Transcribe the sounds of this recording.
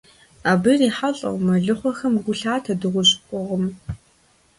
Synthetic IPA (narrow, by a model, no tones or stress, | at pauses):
aːbɨriːħaɬʼɐ̰wmɐɮɨχʷɔxɐmɡʷʊɬaːtʰɐdɨʁʷʊɕʼkʷʼɔʁəm